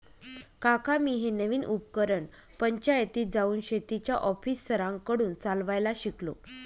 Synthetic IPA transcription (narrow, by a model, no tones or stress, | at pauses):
kakamiːɦenəʋiːnʔupkəɾəɳ | pəɲt͡ɕajət̪iːd͡zauːnɕet̪it͡ɕjaʔɔfiːsːəɾãŋkəɽuːnt͡salʋajlaɕiklo̰